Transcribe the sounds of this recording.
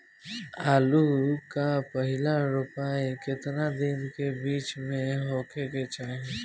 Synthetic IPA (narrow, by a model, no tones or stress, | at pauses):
aːlukapəɦɪlaɾʊpaːekɪt̪nad̪ɪnkebiːt͡ʃmẽɦoːkeket͡ʃaːẽ